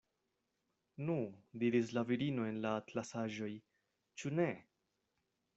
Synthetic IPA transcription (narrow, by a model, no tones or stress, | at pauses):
nudiɾis̬laviɾino̞e̞nlaːtlasaʒo̞j | t͡ʃune̞